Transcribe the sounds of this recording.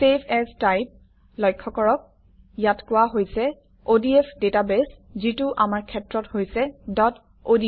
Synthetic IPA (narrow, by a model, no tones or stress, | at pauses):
sepʰɛstajp̚ | lɔjkʰːɔkɔɹɔk̚ | jatkʊwaɦojsɛ | odiɛpʰdetabɛszituʔamaɹkʰɛtɹɔthojsɛdɔt | odi